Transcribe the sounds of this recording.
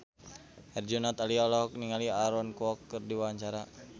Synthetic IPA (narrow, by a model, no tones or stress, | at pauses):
hɛrd͡ʒɔnat̪aliɔlɔɦɔk̚niŋaliaɾɔnkuɔkːɨrdiwaaɲt͡ʃaɾa